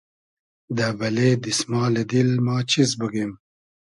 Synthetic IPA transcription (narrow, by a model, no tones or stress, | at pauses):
d̪abɐled̪ismɑːled̪ilmɑːt͡ɕizbəɡem